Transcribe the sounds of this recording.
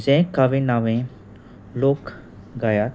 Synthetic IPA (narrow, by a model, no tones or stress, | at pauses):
zẽkaʋinaʋẽ | loːk | ɡajat̪